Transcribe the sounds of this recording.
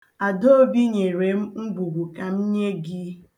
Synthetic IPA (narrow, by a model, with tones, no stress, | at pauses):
a˨do˦o˦bi˦ɲe˨ɾe˨m̩˦ŋ͡m̩˦ɡ͡bu˨ɡʷu˨ka˨m̩˦ɲe˦ɡi˦